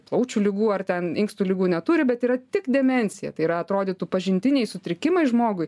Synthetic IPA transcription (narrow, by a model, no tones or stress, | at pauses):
plˠɐʊt͡ʃʲuːlʲɪɡuːɐrt̪ʲɛnɪŋkst̪ulʲɪɡuːnʲɛt̪uːɾʲɪbʲɛt̪iːɾɐt̪ʲɪkd̪ʲɛmʲɛnʲsʲɪjɛ̰t̪ɐɪiːɾɐɐt̪ɾoːd̪ʲɪt̪upɐʒʲɪnʲt̪ʲɪnʲɛɪsʊt̪ʲɾʲɪkʲɪmɐɪʒmoːɡʊɪ